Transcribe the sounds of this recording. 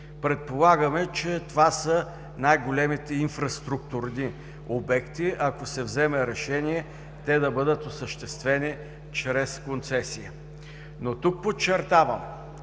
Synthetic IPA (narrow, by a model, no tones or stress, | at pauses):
pɾɛt̪̚polˠaɡəmɛt͡ʃɛt̪ovasə | najɡolʲɛmit̪ɛinfɾɐst̪ɾuk̚t̪uɾni | obɛkt̪iɐkosɛvzɛmɛɾɛʃɛniɛ | t̪ɛd̪ɐbɤd̪ət̪osəʃt̪ɛst̪vɛni | t͡ʃɾɛskont̪sɛsijə | not̪uk̚pot͡ʃːɛɾt̪avəm